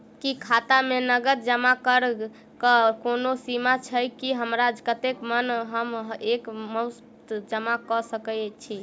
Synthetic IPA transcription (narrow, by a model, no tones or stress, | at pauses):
kikʰat̪amenəɡət̪d͡ʒəmakəɾ | kəkonosimat͡ʃʰəjkiɦəmɾad͡ʒkət̪ekmənɦəmekməs | t̪d͡ʒəmakɔsəkət͡ʃʰi